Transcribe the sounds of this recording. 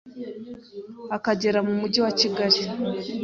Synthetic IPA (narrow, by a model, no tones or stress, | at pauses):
akaɟe̞ɾamumuɟiwaciɡaɾi